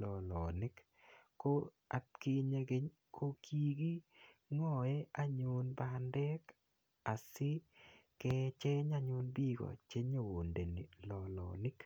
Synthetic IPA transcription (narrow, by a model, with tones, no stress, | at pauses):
lɔ˨lɔ˨nɪ˦k | ko˦ | a̰˨tki˦ɲe˧ɡe˦ɲ | kʰo˦kʰi˦ɡi˦ŋɔ˦˨ɛ˦a˦ɲʊ˨nbandɛ˦k | a˨sɪ˦ | kɛ˦t͡ʃe˦ɲa˦ɲʊ˦nbi˦ɡɔ̰˨t͡ʃe˦ɲo˨wo˨nde˨ni˨lɔ˨lɔ̰˨nɪ˦k